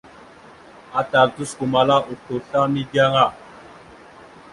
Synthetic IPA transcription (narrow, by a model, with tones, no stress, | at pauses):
a˦ta˨ltu˦sku˨ma˨la˦ʔu˨to˨ɬa˦mi˦dja˦ŋa˦˨